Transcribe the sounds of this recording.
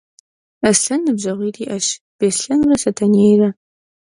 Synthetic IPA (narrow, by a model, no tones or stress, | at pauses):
ɐsɬɐnːɨbʑɐʁʷiːriːʔɐɕ | b̥eːsɬɐnrɐsɐtʰɐnejrɐ